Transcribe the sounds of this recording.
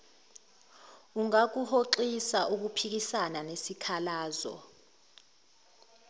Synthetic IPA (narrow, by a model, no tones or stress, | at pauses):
uŋak̬uhoǃisaʔuk̬upʰik̬isananesikʰalaːzɔ̰